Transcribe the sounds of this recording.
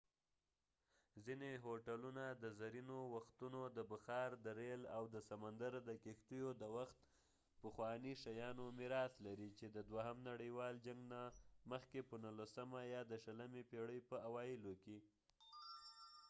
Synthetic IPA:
zineɦoʈalunad̪əzaɾinowaxt̪unod̪əbəxɑɾd̪əɾelawd̪əsamand̪aɾd̪əkext̪ujod̪əwaxt̪ | pəxwɑniʃajɑnomɪɾɑslaɾit͡ʃed̪əd̪waɦamnaɽəjwɑld͡ʒaŋɡnaməxkepənulasəmajɑd̪əʃələmepeɽəjpəawɑjɪloke

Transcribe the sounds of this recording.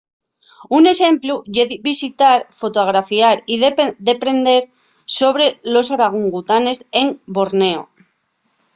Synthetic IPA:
une̞sẽ̞mpluʝeðbisit̪aɾfo̞t̪oɣ̞ɾafiaɾiðd̪e̞pɾe̞nd̪e̞ɾ | so̞βɾe̞lo̞soɾaɣ̞uŋɡut̪ane̞se̞mbo̞ɾne̞o̰

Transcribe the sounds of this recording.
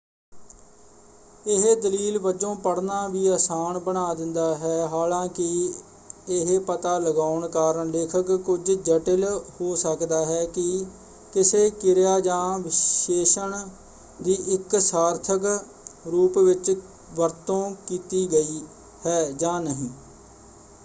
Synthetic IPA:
ɪɦd̪əliːlbəd͡ʒõːpəɽnaːʋiːaːsaːnbənaːd̪ɪnd̪aːɦɛːɦaːlãːkɪ | ɪɦpət̪aːləɡaːʊɳkaːɾəɳleːkʰəkːʊd͡ʒd͡ʒəʈɪlhoːsəkd̪aːɦɛːkɪ | kɪseːkɪɾjaːd͡ʒãːʋɪeːʃəɳ | d̪iːʔɪksaːɾt̪ʰək | ɾuːpʋɪt͡ʃ | ʋəɾt̪õːkiːt̪iːɡəiː | hɛːd͡ʒãːnəɦĩː

